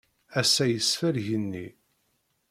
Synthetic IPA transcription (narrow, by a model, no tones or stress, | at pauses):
æsːæjəsfəɾʝənːi